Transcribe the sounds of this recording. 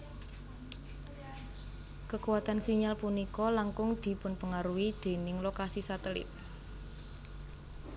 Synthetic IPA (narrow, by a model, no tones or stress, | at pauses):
kəkuwat̪ansiɲalpunikɔlaŋkʊŋd̪̥i̤pʊnpəŋaɾuwid̪̥e̤nɪŋlokasisat̪əlɪ̰t̪̚